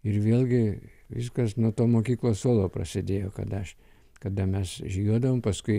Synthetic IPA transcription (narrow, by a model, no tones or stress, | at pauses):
ɪɾʋʲeːlʲˠɡʲɪʋʲɪskɐsnuɔt̪oːmoːkʲiːklˠoːsoːlˠoːprɐ̰sʲɪd̪ʲeːjoːkɐ̰d̪ɐɐʃ | kɐd̪ɐmʲɛsʒʲjuɔd̪ɐʋoːmpɐskʊɪ